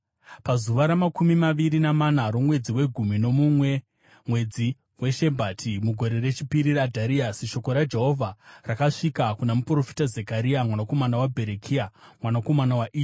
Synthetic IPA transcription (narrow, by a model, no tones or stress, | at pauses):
pazuʋaɾamakumimaʋiɾinamanaɾo̞mwe̞d͡ziwe̞ɡʱumino̞mumwe̞ | mwe̞d͡zi | we̞ʃe̞bʱatʰimuɡʱo̞ɾe̞re̞t͡ʃipiɾiɾadʱaɾiasiʃo̞ko̞ɾad͡ʒe̞ɦo̞vʱarakaʂikakunamupro̞fi̥tazekaɾiamwanako̞manawabʱe̞ɾekʰiamwanako̞manawaʔiː